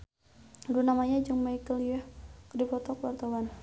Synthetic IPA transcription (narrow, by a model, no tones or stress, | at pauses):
dunamaɲad͡ʒɨŋmaikəljɛhkdipɔt̪ɔkəwart̪awan